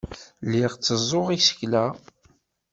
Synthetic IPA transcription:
lːiʁt͡sːəzˤːoʁisə̥çlæ

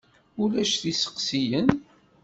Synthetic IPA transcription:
ulæʃθisə̥qsijən

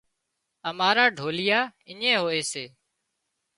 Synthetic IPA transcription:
əmaːɾaːɖʱoːlɪjaːɪɲẽːɦoːeːseː

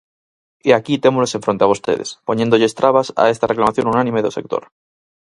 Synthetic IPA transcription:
eakit̪emoloseɱfɾo̞nt̪eaβost̪ḛðḛspoɲẽnd̪oʎest̪ɾaβasa̰est̪areklamaθjõ̞nunãnĩmeðose̞̰k̚t̪o̰ɾ

